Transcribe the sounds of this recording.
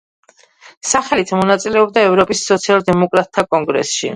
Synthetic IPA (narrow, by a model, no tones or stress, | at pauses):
saχɛlit̪ʰmɔnat̪sʼilɛɔbd̪aɛvɾɔpʼisːɔt̪sʰialˠd̪ɛmɔkʼɾat̪̚ʼt̪ʰːakʼɔŋɡɾɛ̰sʃḭ